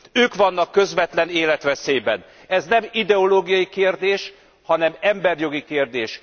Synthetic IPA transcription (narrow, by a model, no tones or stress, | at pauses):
øːkʋɒnːɒkːø̞zʋɛt̪lɛneːlɛt̪ʋɛseːbɛn | ɛznɛmid̪ɛoloːɡijɒjikeːrd̪eːʃ | hɒnɛmɛmbɛrjo̞ɡikeːrd̪eːʃ